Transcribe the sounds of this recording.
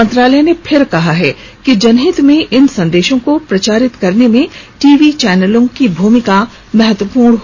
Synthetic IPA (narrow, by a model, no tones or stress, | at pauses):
ɐ̃nt̪ɾaːlɛnepʰɪɾkɐɦaɦɛː | kid͡ʒɐnɦɪt̪mẽʔɪnsɐ̃nd̪eːʃõkopɾɐt͡ʃaːɾɪt̪kɐɾnemẽʈiːʋit͡ʃɛːnəlõkibʱuːmɪka | mɛɦət̪wəpuːɾɳ̃ɦ